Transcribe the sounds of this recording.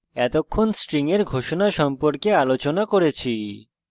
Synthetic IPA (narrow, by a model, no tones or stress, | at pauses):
ɛt̪okʰːonsʈɾiŋeɾɡʱoʃonaʃɔmpoɾkealot͡ɕonakoɾet͡ɕʰi